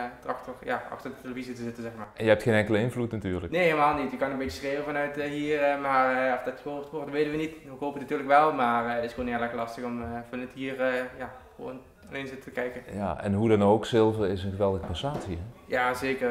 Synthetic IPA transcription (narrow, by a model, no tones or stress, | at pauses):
trɑktɔrjaʔɑ̰xtərdəteləvizitəzɪtənzɛxmaːrʔɛnjəɛptχeːnɛŋkələɪnvlutnatyːrɹləkneɦeləmaːlˠnitjəkːɑnənmbet͡ʃə̥sreːwənvɑnœɥtəɦiːrmaːrɔfdɑtxəoːptʋɔrdʋeːtənʋənitukoːpətnatyːrləkʋɛlˠmaːrtɪsxəʋoːneːlkəlɑstəxɔmfɔnətɦiːrəjaxəʋo̰n | alenzɪtəətəkɛjkəja̰ɛ̰nɦudɑnowksɪlˠvərɪsənɣəʋɛlˠdəɣəpasaːtiɛjaːzeːkər